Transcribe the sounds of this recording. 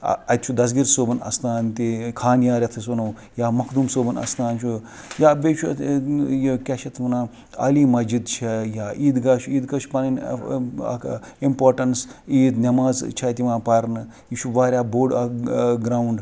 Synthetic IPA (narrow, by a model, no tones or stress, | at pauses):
ɐt̪t͡ʃʰud̪ɐs̬ɡiɾsoːbɐnɐ̰st̪aːnt̪ikʰaːnjaːɾʲɐt̪ʰɐsonɐw | jaːmɐkʰd̪umsoːbɐnɐ̰st̪aːnt͡ʃʰu | jaːbeːt͡ʃʰujekʲɐʃɐt̪ʰʋɐnaː | ɐ̰limɐd͡ʒid̪t͡ʃʰɐjaːʔiːd̪ɡaːʃuiːd̪kɐʃu̥pɐnɐn̰ | impoːɾʈɐnsiːd̪nʲɐmaːzt͡ʃʰɐt̪iʋãːpɐɾnɨ | jit͡ʃʰuʋaːɾʲaːboːɖɡɾaːuɳɖ